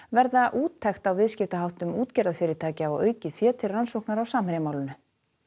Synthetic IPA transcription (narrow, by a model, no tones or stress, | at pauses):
vɛɾðaʔuːt̪ʰːɛxt̪awvɪðscɪft̪aɦawht̪ʏmuːt̪cɛɾðafɪːɾɪɾt̪ʰaːcɪawœ̰ːɥcɪfjɛːt̪ʰɪrransowknaɾawsaːmhɪɾjamawlɪnʏ